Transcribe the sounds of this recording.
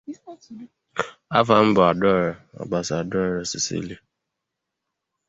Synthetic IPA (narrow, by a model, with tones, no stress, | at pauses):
a˦fa˨m̩˦bʊ˨a˨dɔ˦˨ɾɔ˨ɔ̰˨ɡ͡ba˨sa˨dɔ˦˨ɾe˨si˨sḭ˦li˦